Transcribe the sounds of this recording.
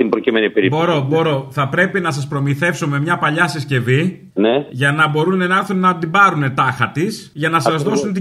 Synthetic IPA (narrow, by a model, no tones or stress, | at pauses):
imbɾocimenipeɾibo̞ɾo̞bo̞ɾo̞θɐpɾe̞pinɐs̬ɐspɾo̞miθe̞fso̞me̞mɲɐpɐʎɐsisce̞vi | neʝɐnɐbo̞ɾunenɐɾθunnɐd̪ibɐɾune̞t̪ɐxɐt̪is | ʝɐnɐsɐzðo̞sunt̪i